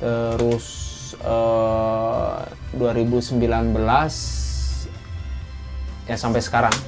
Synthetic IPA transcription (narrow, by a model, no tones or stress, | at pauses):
t̪əɾʊs | ə | duaɾibusəmbilanbəlas | jasampajsə̥kaɾaŋ